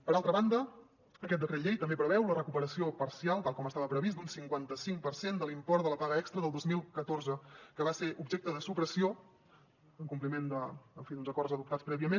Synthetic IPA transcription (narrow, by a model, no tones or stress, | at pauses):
pəɾalˠt̪ɾəβand̪ə | əkɛt̪̚d̪əkɾeʎejt̪əmbepɾəβɛwlərəkupəɾəsiopəɾsialˠt̪alˠkɔməst̪aβəpɾəβisd̪unsiŋkwant̪əsiŋpəɾsend̪əlimpɔɾt̪ələpaɣəɛkst̪ɾəðəlˠd̪ozmilˠkət̪oɾzəkəβaseʔubʒek̚t̪əðəsupɾəsio | əŋkumplimend̪əəɱfiðunzəkɔɾzəðup̚t̪at͡spɾɛβiəmen